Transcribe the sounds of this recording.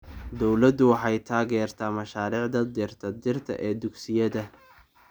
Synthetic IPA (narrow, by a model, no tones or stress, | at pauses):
d̪ɔwlɐd̪ʊwɑħɑjt̪ʰaːɣɛːrt̪ʰaːmɐʃaːɾiːʕd̪ɐd̪ɪrt̪ʰɐd̪ɪrt̪ʰɐ̰ʔɛːd̪ʊɡsɪjɐðɐ